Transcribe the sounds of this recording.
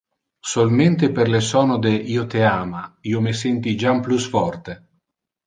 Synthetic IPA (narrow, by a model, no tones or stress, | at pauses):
solment̪eperlesɔːnod̪eʔiːot̪eaːmaiːomesɛnt̪id͡ʒamplusfɔrt̪e